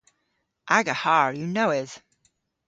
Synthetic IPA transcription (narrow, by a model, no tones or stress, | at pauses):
ʔaɡəhɑɹjɨnoʊɪz̥